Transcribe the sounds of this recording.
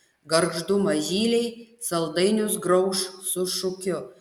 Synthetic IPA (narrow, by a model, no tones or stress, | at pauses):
ɡɐɾɡʒd̪ʊmɐʒʲiːlʲɛɪsɐlˠd̪ɐɪnʲʊsɡɾɐʊʃsʊʃʊkʲʊ